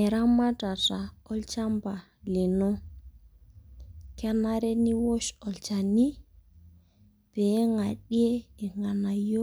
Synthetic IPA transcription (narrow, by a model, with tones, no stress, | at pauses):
e˨ɾa˦ma˦ta˨ta˨ɔ˦lt͡ʃa˦mba˨ | le˨no˦ | ka˦na˦ɾe˦ni˦wo˦ʃɔ˨lt͡ʃa˨ni˦ | pe˨˦ŋa˨ɗi˦e˦e˨ŋa˨na˨jo˦